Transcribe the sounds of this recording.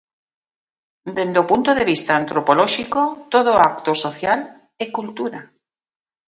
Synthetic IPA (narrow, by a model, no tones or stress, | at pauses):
d̪end̪opunt̪oðe̞βist̪aːnt̪ɾopoloʃikot̪oð̞oakt̪osoθjal | ekult̪uɾa